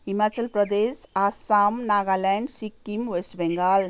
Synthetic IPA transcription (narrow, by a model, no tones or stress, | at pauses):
imat͡ʃəlpɾəd̪esasamnaɡalɛɳɖsikːimʋesʈbɛ̃ŋɡəl